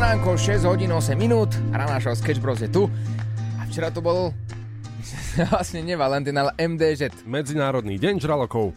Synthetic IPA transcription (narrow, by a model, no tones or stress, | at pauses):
naːŋkɔlʃɛzɦɔɟiːnuʊɔsɛmːinuːt̪aɾanaʃɔlskɛd͡ʒbɾɔzɛt̪u | aft͡ʃɛɾat̪ɔbɔl | lasɲɛɲɛʋalɛnt̪inalʔɛmd̪ɛːzɛt̪mɛd͡zinaːɾɔd̪niːɟɛɲʒɾalɔkɔʊ